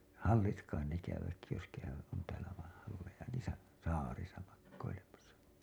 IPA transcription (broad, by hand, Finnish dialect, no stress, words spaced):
hɑlːit kɑin ne kæyʋæt jos kæyʋæt on tæːlæ ʋɑĩː hɑlːejɑ niːsæ sɑːrisɑ mɑkːoilemɑsɑ